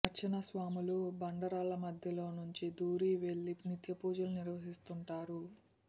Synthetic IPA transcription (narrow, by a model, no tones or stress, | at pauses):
ɐt͡ʃːinɐsʋaːmulubɐɳɖɐɾaːlɐmɐd̪ʱjɐlo̞ːnuɲt͡ʃid̪uːɾiːʋe̞ɭːinit̪jɐpuːd͡ʒɐluniɾʋɐɦist̪uɳʈaːɾu